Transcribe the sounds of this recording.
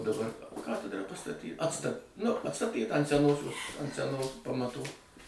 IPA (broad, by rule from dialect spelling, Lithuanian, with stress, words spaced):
dɐˈbɐr ˈkɑːtʲɛdrɐ pɐstɐˈtʲiː ˈɑːtstɐ nʊ ɐtˈstɑːtʲiːtɐ ɐnt sʲɛˈnoːsʲoːs ɐnt sʲɛˈnoːs pɐmɐtuː